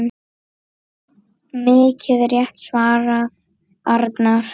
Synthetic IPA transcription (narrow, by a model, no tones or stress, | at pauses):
mɪːcʰɪðɾjɛht̪svaːɾað | aɾt̪naɾ̥